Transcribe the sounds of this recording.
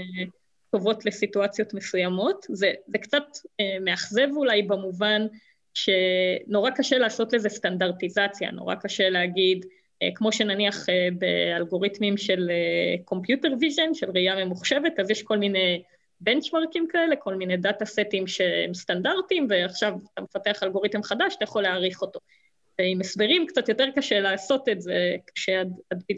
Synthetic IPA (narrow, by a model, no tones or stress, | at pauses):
to̞vo̞tle̞situat͡sjo̞tme̞sujamo̞tzezekt͡sat̪emeaχze̞vulajbamuvan | ʃe̞no̞ʁakaʃelaːso̞tlezestandaʁtizat͡sja̰no̰ʁa̰kaʃe̞leaɡid | ḛkmo̞ʃe̞naniaχebḛalɡo̞ʁit̪mimʃe̞leko̞mpjuteʁvizonʃelʁijamemuχʃe̞ve̞tazjeʃko̞lmine̞ | be̞nt͡ʃmaʁkimkaele̞kʰo̞lminedatasetimʃeḛmst̪andaʁtimve̞aχʃavat̪amefate̞aχalɡo̞ʁitemχadaʃat̪ajaχo̞leaːʁiχo̞to̞ | veimesbeʁimkt͡satjote̞ʁkaʃelaːso̞tetzekḁʃeadadi